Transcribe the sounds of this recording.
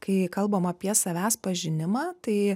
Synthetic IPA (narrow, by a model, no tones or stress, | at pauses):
kɐɪkɐlˠboːmɐpʲiɛsɐʋʲæːspɐʒʲɪnʲɪmɑːt̪ɐɪ